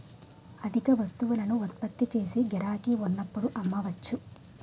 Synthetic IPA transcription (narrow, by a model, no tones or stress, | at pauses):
ɐd̪ʱikɐʋɐst̪uʋulɐnuːt̪̚pɐt̪ːit͡ʃe̞ːsiɡɛɾaːkiunːɐpːuɽuʔɐmːɐʋɐt͡ʃːu